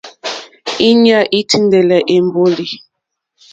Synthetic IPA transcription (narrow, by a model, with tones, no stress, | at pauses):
i˦ɲa˦ʔi˦tʰi˦n˦de˨lɛ˨ʔe˨m˦bo˦li˨